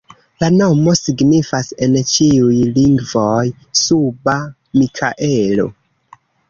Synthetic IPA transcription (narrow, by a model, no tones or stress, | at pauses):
lano̞mo̞siɡnifase̞nt͡ʃiujliŋɡvo̞j | suba | mikʰaʔelo̞̰